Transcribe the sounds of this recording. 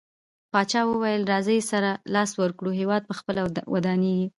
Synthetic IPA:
pɑt͡ʃɑwəwajəlɾɑzəjsaɾalɑswəɾkɽuɦewɑd̪̚pəxpəlawa̰d̪ɑneɡi

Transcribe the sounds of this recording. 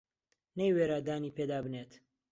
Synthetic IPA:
nejweɾaːd̪aːniːped̪aːbɨnet̪

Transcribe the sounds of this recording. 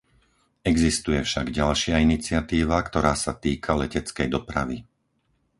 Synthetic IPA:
ɛɡzist̪ujɛfʃaɡɟalʃɪainit͡sɪat̪iːʋakt̪ɔɾaːsat̪iːkʰalɛcɛt͡skɛjd̪ɔpɾaʋi

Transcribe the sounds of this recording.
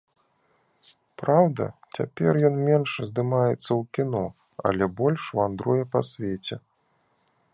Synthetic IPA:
pɾawd̪ɐ̰t͡sʲa̰pʲɛrjɔnmʲɛnʂzʲd̪ɨmajɛt̪sːɐwkʲinɔ | ɐ̰lʲɛbɔlʲʂwand̪ɾɔjɛpasʲvʲet͡sʲɛ

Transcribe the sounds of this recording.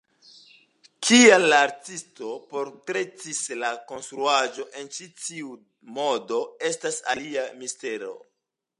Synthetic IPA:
kʰialːaːɾtisto̞po̞ɾtɾe̞t͡sislako̞nstɾuaʒo̞ʔe̞nt͡ʃit͡siu | mo̞do̞e̞stasa̰liamiste̞ɾo̞̰

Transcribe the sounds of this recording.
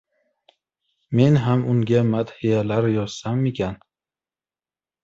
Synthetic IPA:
me̞nɦamʊŋɡʲamat̪hijalaɾjɒz̥samekʲʰan

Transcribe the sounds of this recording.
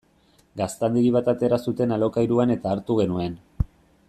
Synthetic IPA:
ɡast̪and̪iɣiβ̞at̪at̪e̞ɾasut̪e̞nalo̞kajɾuane̞t̪aːɾt̪uɣ̞e̞nue̞n

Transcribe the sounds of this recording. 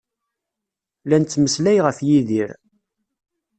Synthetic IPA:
lænt͡s̪ːməslæjʁəfjiðiɾ

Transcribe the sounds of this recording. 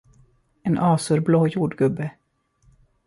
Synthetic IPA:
eːnʔɑːsʉɾbloːjuːɖɡɵbːə

